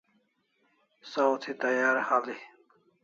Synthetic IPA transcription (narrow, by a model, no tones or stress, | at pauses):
sawt̪ʰit̪ɐjaːɾhali